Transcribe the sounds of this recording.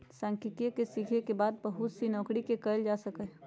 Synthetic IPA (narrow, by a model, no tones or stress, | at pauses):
sãːŋkɪkekesikʰekebaːd̪̚bəɦʊt̪sinɔ̃ːkɽikekəld͡ʒasəkɛ